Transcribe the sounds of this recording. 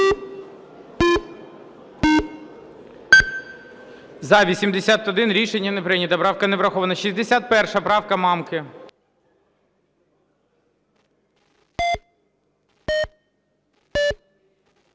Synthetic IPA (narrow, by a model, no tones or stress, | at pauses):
zɐʋʲisʲimd̪esʲat̪ɔd̪ɪnɾʲiʃenʲːɐnepɾɪnʲɐt̪ɐbɾɑwkɐneʋɾɐxɔʋɐnɐʃizʲd̪esʲat̪̚pɛrʃɐbɾɑwkɐmɑmkɪ